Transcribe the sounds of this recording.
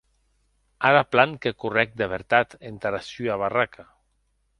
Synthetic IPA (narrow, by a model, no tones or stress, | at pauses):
aɾaplaŋkekurɛk̚d̪eβ̞eɾt̪at̪ent̪aɾasyaβarakʰa